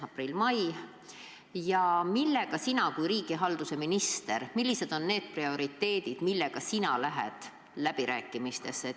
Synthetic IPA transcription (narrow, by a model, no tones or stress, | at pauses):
ɑprilmɑj | jɑmilːe̞ɡ̥ɑsinɑkujɾiːɡ̥iɦɑld̪̥use̞minist̪e̞ɾmilːise̞d̪̥o̞nːe̞ːd̪̥̚prio̞ɾit̪ːe̞ːd̪̥id̪̥milːe̞ɡ̥ɑsinɑlæɦḛd̪̥ | læb̥iɾʔæːkːˑimist̪e̞sːe